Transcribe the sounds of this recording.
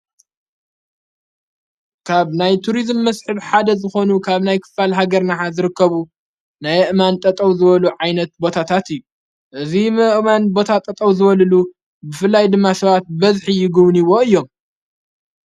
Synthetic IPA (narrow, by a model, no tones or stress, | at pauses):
kʰaβnajt̪ʰuɾizmːɐsħɨβħad̪ɐzɨxo̞nukʰaβnajkʰɨ̥falɦaɡɐɾnaħazɨɾɨkːɐβu | najɨʔmant̪ʼɐt̪ʼɐwzɨβɐluʕajnɐt̪̚bo̞t̪ʰat̪ʰat̪ɨjːu | ʔɨzimɨʔmanbo̞t̪ʰat̪ʼɐt̪ʼɐwzɨβɐlɨlu | bɨfɨlːajd̪ɨmːasɐβat̪̚bɐzħijɪɡɨβniwo̞ɨjːo̞m